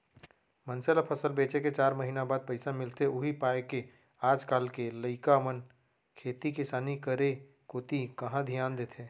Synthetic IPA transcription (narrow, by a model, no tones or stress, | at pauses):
mənselapʰəsəlbeːt͡ʃeket͡ʃaːɾməɦiːnabaːd̪̚pɐɪsamɪlt̪eʊɦipaːeke | aːd͡ʒkaːlkeləɪkamən | kʰeːt̪ikɪsaːnikəɾe | koːt̪ikɐɦãd̪ʱijaːnd̪eːt̪ʰẽː